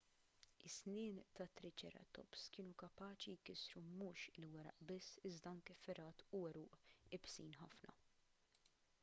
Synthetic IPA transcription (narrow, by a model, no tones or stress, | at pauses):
ɪsnɪːnt̪ɐt̪ːɾɪt͡ʃɛ̰ːɾɐ̰t̪ɔ̰pskɪːnukɐpɐːt͡ʃijkɪsɾumuːʃɪlwɛɾɐ̰ʔbɪsːɪzd̪ɐɐŋkɛfɛɾɐːt̪ʊɛɾuːʔɪbsiːnħɐfnɐ̰